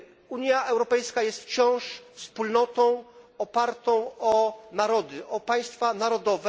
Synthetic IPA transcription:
uɲjaʔɛwɾɔpɛjskajɛst̪ft͡ɕɔ̃w̃ʂfspulnɔt̪ɔ̃w̃ɔpaɾt̪ɔ̃w̃ɔnaɾɔd̪ɘʔɔpaj̃st̪fanaɾɔd̪ɔvɛ

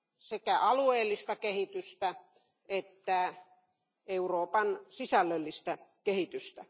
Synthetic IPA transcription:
sekæʔɑlueːlːist̪ɑkehit̪yst̪æ | et̪ːæ | euroːpɑnsisælːølːist̪ækehit̪yst̪æ

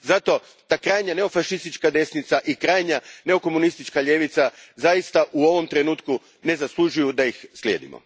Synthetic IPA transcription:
zat̪o̞ | t̪akɾaːjɲane̞o̞faʃist̪it͡ʃkad̪e̞snit̪saʔikɾaːjɲane̞o̞ko̞munist̪it͡ʃkaʎe̞ʋit̪sazajist̪aʔuo̞ʋo̞mt̪ɾe̞nuːt̪ku | ne̞zaslˠuʒujud̪ajixslʲje̞ːd̪ḭmo̰

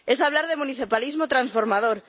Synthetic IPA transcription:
e̞saβlaɾðemuniθipalizmot̪ɾansfo̞ɾmaðoɾ

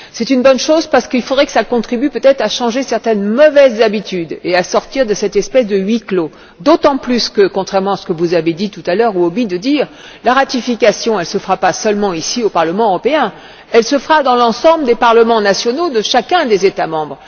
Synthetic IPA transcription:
sɛt̪ynbɔnʃozpaʁsə̥kilfod̪ʁɛkə̥sakɔ̃t̪χibypøt̪ɛt̪χaʃɑ̃ʒesɛʁt̪ɛnmɔvɛzːabit̪yd̪easɔʁt̪iʁd̪əsɛt̪ɛspɛsd̪əɥiklo | d̪ot̪ɑ̃plyskəkɔ̃t̪χɛʁmɑ̃asə̥kəvuzaved̪it̪ut̪alœʁuobid̪əd̪iːʁ | laʁat̪ifikʲasjɔ̃ɛlsəfəʁapasœlmɑ̃isiopaʁləmɑ̃øʁɔpeɛ̃ | ɛlsəfəʁad̪ɑ̃lɑ̃sɑ̃bləd̪epaʁləmɑ̃nasjɔnod̪əʃakʲɛ̃d̪ezet̪amɑ̃bʁ

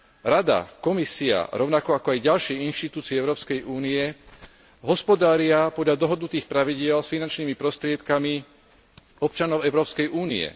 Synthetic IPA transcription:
ɾad̪a̰kɔmisia̰ɾɔʊnakɔakɔajɟalʃiːinʃt̪it̪uːt͡siɛɛʊɾɔːpskɛjʔuːniɛ | ɦɔspɔd̪aːɾɪapɔd̪ʎad̪ɔɦɔd̪nut̪iːxpɾaʋiɟɪɛlsfinant͡ʃniːmipɾɔst̪ɾɪɛt̪kami | ɔp̚t͡ʃanɔʊɛʊɾɔːpskɛjʔuːnḭɛ̰

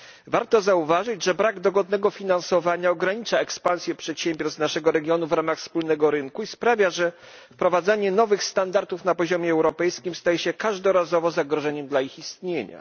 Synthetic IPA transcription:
vaɾt̪ɔzauvaʐɘd͡ʑʐɛbɾaɡd̪ɔɡɔd̪nɛɡɔfʲinansɔvaɲaɔɡɾaɲit͡ʂaɛkspañsʲjɛpʂɛt̪ɕɛmʲbʲjɔɾst̪naʂɛɡɔɾɛɡʲjɔnuvɾamaxfspulnɛɡɔɾɘŋkuispɾavʲjaʐɛ | fpɾɔvad̪zaɲɛnɔvɘxst̪and̪aɾt̪ufnapɔʑɔmʲjɛɛwɾɔpɛjskʲimst̪ajɛɕɛkaʐd̪ɔɾazɔvɔzaɡɾɔʐɛɲɛmd̪laixist̪ɲeɲa̰

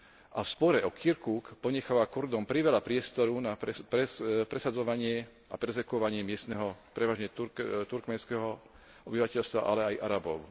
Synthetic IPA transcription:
ʔafspɔɾɛʔɔkʰiɾkuːkpɔɲɛxaʋakuɾd̪ɔmpɾiʋɛlapɾɪɛst̪ɔɾunaɛpɾɛpɾɛsad͡zɔʋaɲɪɛ | apɛɾɛzɛkuɔʋaɲɪɛmɪɛst̪nɛɦɔpɾɛʋaːʒɲɛut̪uɾkmɛnskɛɦɔ | ɔbiʋacɛʎst̪ʋa̰ʔa̰lɛajʔaɾabɔʊ

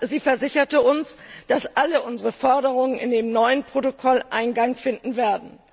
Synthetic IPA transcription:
ziːfɛɐzɪçɐtəʊnsd̥asʔaləʔʊnzəʁəfɔɐɾəʁ̞ʊŋənɪndeːmnɔʏənpʁ̥otokʰɔlʔa̰ɪnɡaŋfɪndn̩veːɐdn̩

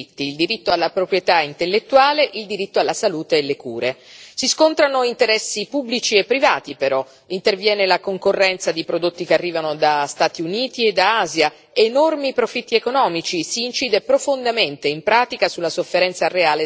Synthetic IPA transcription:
t̪ːiːld̪iɾit̪ːoalːapɾopɾjet̪aint̪elːet̪ːuaːleʔild̪iɾit̪ːoalːasaluːt̪eːlːekuːɾesiskont̪ɾanoint̪eɾɛsːipubːlit͡ʃiepːɾivaːt̪ipeɾɔ | int̪ervjɛːnelakoŋkorːɛnt̪sad̪ipɾod̪ot̪ːikearːiːvanod̪ast̪aːt̪iuniːt̪ied̪aaːzja | enormipɾofit̪ːiekonɔːmit͡ʃisiːnt͡ʃiːd̪epɾofond̪ament̪eimpɾaːt̪ikasulːasofːeɾɛnt̪sareaːle

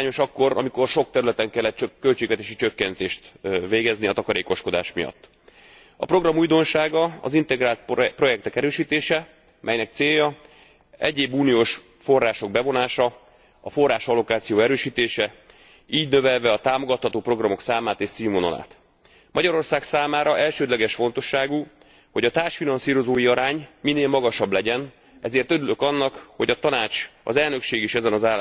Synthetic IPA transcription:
aːɲo̞ʃɒkːo̞ɾɒ̰miko̞rʃo̞k̚t̪ɛɾylɛt̪ɛŋkɛlːɛt̪t͡ʃkːølt͡ʃeːɡʋɛt̪eːʃit͡ʃøkːɛnt̪eːʃt̪veːɡɛzniɒt̪ɒkɒɾeːko̞ʃko̞d̪a̰ːʃmijɒ̰t̪ː | ɒ̰pro̞ɡrɒmuːjd̪o̞nʃaːɡɒɒ̰zint̪ɛɡraːlt̪̚pro̞jɛk̚t̪ɛkɛɾøːʃiːt̪eːʃɛ | mʔɛ̰jnɛk̚t̪seːjːɒ | ɛ̰ɟeːbuːnijoːʃ | fo̞rːaːʃo̞ɡ̚bɛvo̞naːʃɒ | ɒfo̞rːaːʃɒlo̞kaːt̪sijoːɛɾøːʃiːt̪eːʃɛ | iːɟnø̞vɛlvɛɒt̪aːmoɡɒt̪hɒt̪oːpro̞ɡrɒmo̞ksaːmaːt̪eːʃsiːmono̰la̰ːt̪ | mʔɒɟɒɾo̞rsaːksaːmaːɾɒʔɛlʃøːd̪lɛɡɛʃfo̞n̪t̪o̞ʃːaːɡu | ho̞ɟɒt̪aːrʃfinɒnsiːɾo̞zoːjiɒɾaːɲmineːlmɒɡɒʃɒblɛɟɛn | ʔɛ̰zeːrt̪øɾylø̞kɒnːɒkho̞̰ɟɒt̪ɒnaːt͡ʃɒ̰zɛlnø̞kʃeːɡeːʃɛzɛnɒzaː

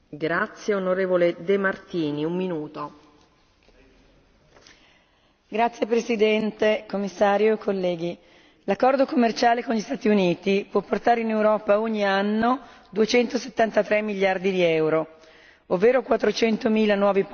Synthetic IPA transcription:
ɡɾat̪sjeonoɾeːvoled̪emart̪iːniumːinuːt̪o | ɡɾat̪sːjepɾesid̪ɛnt̪ekomːisːaːɾjoekːolːɛːɡi | lakːɔrd̪okomːert͡ʃaːlekonʎist̪aːt̪iuniːt̪ipwɔpːort̪aːɾeinewɾɔːpaoɲːianːo | d̪uet͡ʃɛnt̪ose̥t̪ːant̪at̪ɾɛmːiʎːard̪id̪iɛwɾo | ovːeːɾokwat̪ːɾot͡ʃɛnt̪omiːlanwɔːvi

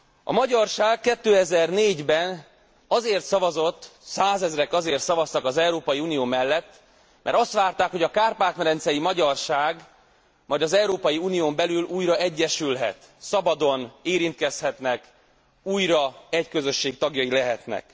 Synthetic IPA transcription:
ʔɒ̰mɒɟɒrʃaːɡkːɛt̪ːøːɛzɛrneːɟbɛn | ɒzeːrt̪sɒvɒzo̞t̪ːsaːzɛzrɛkɒzeːrt̪sɒvɒst̪ɒkɒzɛwɾoːpɒjiuːnijoːmɛlːɛt̪ː | mʔɛ̰ɾɒst̪ʋaːrt̪aːkhoɟɒkaːrpaːt̪nɛɾɛnt̪sɛjimɒɟɒrʃaːɡ | mɒjd̪ɒzɛwɾoːpɒjiuːnijoːmbɛlyluːjɾɒɛɟːɛʃylɦɛ̰t̪ | sɒbɒd̪o̞neːɾint̪kɛshɛt̪nɛk | uːjɾɒɛckø̞zø̞ʃːeːkt̪ɒɡjɒjilɛɦɛt̪nɛ̰k

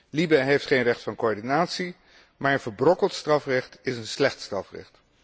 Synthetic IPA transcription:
libɛɦejftχejnrɛχtfɑnkoːɹdinaːtsi | maːɹənvəɹbrɔkəlˠtstrɑfrɛχtɪsənslɛχtstrɑfrɛ̰χt

